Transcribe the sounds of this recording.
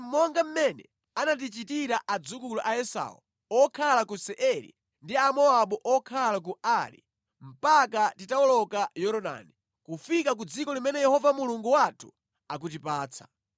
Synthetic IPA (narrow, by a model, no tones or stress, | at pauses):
m̩mɔŋɡam̩mɛnɛ | anat̬it͡ʃitiɾaʔad͡zukuluʔaɛsa̰ṵ | ɔkʰalakusɛʔɛɾḭ | ndiamɔaɓuʔɔkʰalak̬uaɾḭ | m̩pakatitaɔlɔkajɔɾɔɗa̰ni | kufikak̬ud͡zikɔlimɛnɛjɛhɔvamuluŋɡuwatʰu̥ | ak̬utipaːt͡sʰḁ̰